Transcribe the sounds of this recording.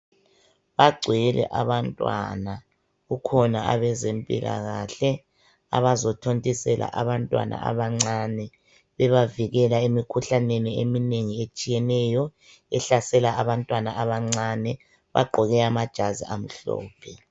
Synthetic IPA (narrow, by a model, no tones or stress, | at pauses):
βaɡ͡ǀʱwilɛ̰ʔaβantʼwa̰na | ɣukʰɔnaa̰βɛzempʼḭlʔa̰ɣaːɬɛ | a̰βazɔtʰontʼisɛlʔa̰ʔaβantʼwa̰nʔa̰a̰βaŋ͡ǀanɛ | βɛβaviɣɛlaemikʰuɬaneniemineŋiet͡ʃʼijɛnɛjɔ | ɛɬasɛlaaβantʼwanaʔaβaŋ͡ǀanɛ | βa̰ɡ͡ǀʱɔɣɛamad̥ʒ̥ʱazḭʔam̩ɬɔ̰ːpʰɛ